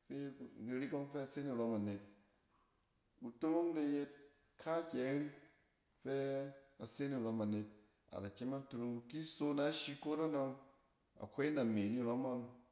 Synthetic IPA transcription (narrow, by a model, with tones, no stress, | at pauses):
fe˦˨ɡi˧ɾi˦ko˦ŋfe˦a˧˨se˦ni˨ɾo˧ma˨ne˨t̚ | u˨to˦ɾo˦ŋde˧je˦t̚ | kʰa˦kʲɛ˨˦ɾi˦ | fe˦a˨se˦ni˨ɾo˧ma˨ne˨t̚ | a̰˨ɾa˨kʲe˦ma˦tu˧ɾu˧ŋki˦so˦na˦ʃi˧ko˦ta˦no˧ŋ | a̰˨ko˦i˦na˨me˨ni˦˨ɾa˦ma˦ŋ